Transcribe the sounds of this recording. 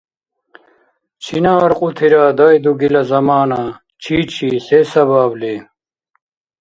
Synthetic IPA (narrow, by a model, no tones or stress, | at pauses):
t͡ɕʰinaːɾqʼut̪ʰiɾaːd̪ɐjd̪uɡilɐzɐmaːna | t͡ɕʰiːt͡ɕʰiːɬesɐβaːble